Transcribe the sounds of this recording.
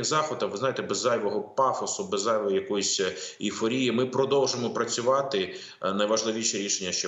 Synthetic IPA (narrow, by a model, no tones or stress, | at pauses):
ɪzɑxɔd̪ɐʋɪznɑjt̪ɛbɛzːɑjʋɔɦɔpɑfɔsʊbɛzːɑjʋɔjɔjɐkɔjʊsʲifɔɾʲijimɪpɾɔd̪ɔwʒemɔpɾɐt͡sʲʊʋɑt̪ɪ | nɐjʋɐʒlˠɪʋʲiʃɛɾʲiʃenʲːɐʃt͡ʃɔ